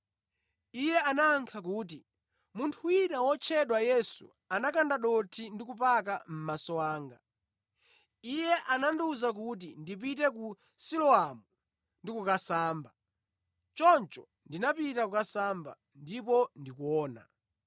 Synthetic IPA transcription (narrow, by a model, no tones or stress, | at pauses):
ijɛanaːŋkʰakuːt̬i | muntʰuinawɔt͡ʃʰɛɗwajɛsṵ | anakandaɗɔtʰindikupakam̩masɔwaːŋɡa | ijɛʔananduzak̬ut̬indip̬itɛku | silɔamu | ndikukasaːmba | t͡ʃɔnt͡ʃɔ | ndinapitakukasamba̰ | ndipɔndikuɔːna̰